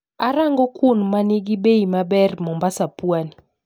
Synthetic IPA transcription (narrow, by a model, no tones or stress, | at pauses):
aɾaŋɡɔkunmaniɡibeimabɛrmɔmbasapwani